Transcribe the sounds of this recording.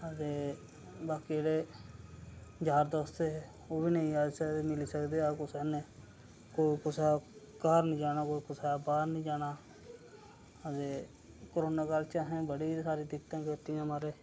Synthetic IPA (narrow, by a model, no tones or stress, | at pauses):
əd̪eː | baːkieːɽeː | d͡ʒaːɾd̪oːst̪eː | oːbiːnəĩaːseːmɪliːsəkd̪eːakʊsɛːneː | koːikʊsakaːɾnĩːd͡ʒaːñaːkoːikʊsabaːɾnĩːd͡ʒaːnaː | əd̪eː | kəɾoːnaːkəlt͡ʃaːɦẽːbəɽiːsaːɾiːd̪ɪt̪ãːkeːt̪ɪjãːmaɾeː